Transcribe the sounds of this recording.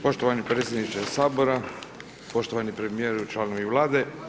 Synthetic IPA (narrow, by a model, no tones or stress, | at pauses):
po̞ʃt̪oʋanipɾeːt̪sʲjed̪nit͡ʃesaːbo̞ɾa | po̞ʃt̪oʋanipɾemijeɾut͡ʃlˠaːnoʋiʋlˠaːd̪e̞